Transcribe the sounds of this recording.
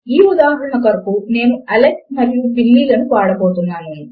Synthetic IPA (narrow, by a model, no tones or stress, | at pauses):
iːud̪aːɦɐɐɳɐkɐɾɐpune̞ːnuɐlek̚mɐɾjubilːiːlɐnuʋaːɽɐboːt̪unːaːnu